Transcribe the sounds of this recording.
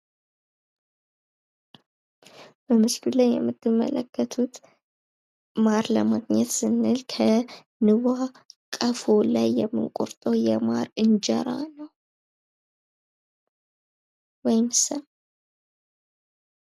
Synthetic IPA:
b̥əmɨskulajːɛ̰mːɨt̪ʰːɨmːə̰ləkːət̪ʰut̪ | maɾlə̰maɡɲɛt̪sɨnːɨlkʰə | nɨβa | kʼəfolajːɛmːɨ̰nkʼṵɾt̪ʼəwjɛmaɾɨnd͡ʒɛɾa̰nəw | wɔjɪmsəm

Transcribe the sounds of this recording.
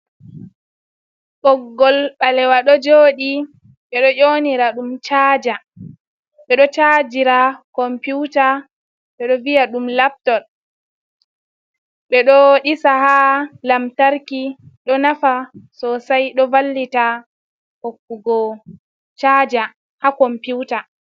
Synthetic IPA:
ɓɔɡːɔlɓalɛwaɗɔd͡ʒoːɗi | ɓɛɗɔʔoniɾaɗumt͡ʃaːd͡ʒa | ɓɛɗɔt͡ʃad͡ʒiɾakɔmpjuta | ɓɛɗɔvijaɗumlap̚tɔl | ɓɛɗɔɗisahalamtaɾkiɗɔnafasɔsajɗɔvalːita | hokːuɡɔ | t͡ʃad͡ʒa | hakɔmputa

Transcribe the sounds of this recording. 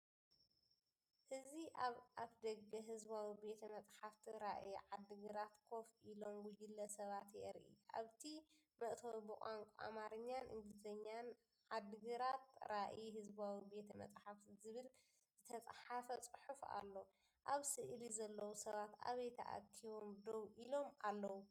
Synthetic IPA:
hɨziʔaβʔaβd̪ɐɡɐɦɨzβawibe̞t̪ʰɐmɐt͡sʼħaft̪ʰiɾaʔjʕad̪ːɨɡɨɾat̪kʰo̞fʔilo̞mɡud͡ʒilːɐsɐβat̪jɛ̰ʔɾʔḭʔa̰βt̪ʰi | mɐʔt̪ʰɐwbɨkʼaŋkʷʼuʔa̰maɾɐɲːanʔɨ̰nd̪ɨt̪ʰɐɲːan | ʕad̪ːɨɡɨɾat̪ɾaʔjihɨzbawibe̞t̪ʰɐmɐ̰t͡sʼħaft̪ʰizɨβɨl | z̥ɨt̪ʰɐt͡sʼħafɐt͡sʼɨħufa̰lːo̞ | ʔaβsɨʔlizɐlːɐwusɐβat̪a̰βejt̪ʰɐʔa̰t̪ʰiwo̞md̪owʔilo̞malːɐwu

